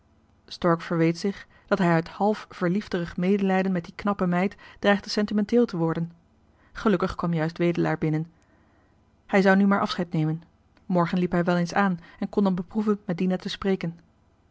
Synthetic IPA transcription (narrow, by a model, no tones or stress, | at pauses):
stɔɹkfəɹʋejtsɪχ | d̥ɑtɦɛjœɥthɑlˠfv̥əɹlifdərəχmejdəlɛjdənmɛt̚diknɑpəmɛjtd̥rɛjχtəsɛntimɛntɪːlˠtəʋɔɹdən | χəlɵkəχkʋɑmjœɥstʋejdəlaːɹbɪnən | hɛjzɑwnymaːɹʔɑfsχɛjtnejmən | mɔɹχənlipɦɛjʋɛlˠensaːnɛnkɔndɑnbəpruvənmɛt̚dinatəspreːkən